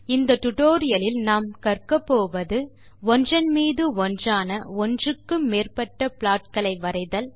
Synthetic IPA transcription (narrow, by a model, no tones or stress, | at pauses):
ɪnd̪ɐt̪ʊʈoːɾɪjɐlɪlnaːmkɐrkɐpːoːʋɐðɯ | ɔndrɐnmiːðɯɔndraːnɐɔndrɯkːɯmːeːrpɐʈːɐpɪɭaːʈ̚kɐɭɐɪʋɐɾɐɪðɐl